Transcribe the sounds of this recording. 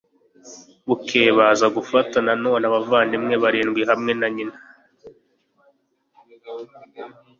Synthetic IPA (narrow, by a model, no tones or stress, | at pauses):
βukʰe̞ːβazaɡufatanano̞ːnaβavaːndimŋe̞βaɾiːnɡwiɦamŋe̞naɲina